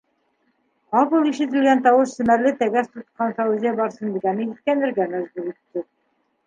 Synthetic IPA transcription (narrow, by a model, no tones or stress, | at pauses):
qɑpɤlˠiʃɘ̆t̪ɘ̆lɡænt̪ɑwɤʃsɘ̆mæɾlɘt̪æɡæst̪ut̪̚qɑnsɑuzʲijæbɑɾsɤnd̪ɘ̆ɡænɘit̪̚kænd̪ɘ̆ɾɡæmæzbʉɾit̪ːɘ